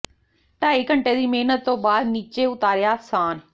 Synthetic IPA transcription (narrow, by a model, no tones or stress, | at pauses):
ʈaːikə̃ɳʈed̪iːmeːnət̪ːoːbaːd̪niːt͡ʃeʊt̪aːɾɪjasaːn